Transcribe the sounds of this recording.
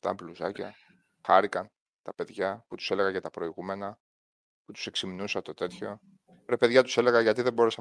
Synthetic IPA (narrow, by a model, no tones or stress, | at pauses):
t̪ɐ̰mbluzɐcɐ | xɐɾikɐn | t̪ɐpe̞ðʝɐput̪u̥se̞le̞ɣɐʝɐt̪ɐpɾo̞iɣume̞nɐ | put̪u̥se̞ksimnusɐt̪o̞t̪e̞t̪ço̞ | ɾepe̞ðʝɐt̪u̥se̞le̞ɣɐʝɐt̪iðe̞bo̞ɾesɐ